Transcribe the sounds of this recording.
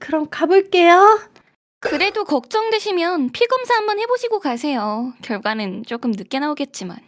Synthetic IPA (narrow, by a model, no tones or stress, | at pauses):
kɯɾʌmkabɯɭk͈ejo | kɯɾe̞dokʌk̚t͡ɕ͈ʌŋdweɕʰimjʌnpʰiɡʌmsʰaɦambʌnhe̞boɕʰiɡokas̬ʰe̞jokjʌɭɡwanɯnt͡ɕ͈ok͈ɯmnɯk͈e̞naoɡe̞t̚t͡ɕ͈ima̰n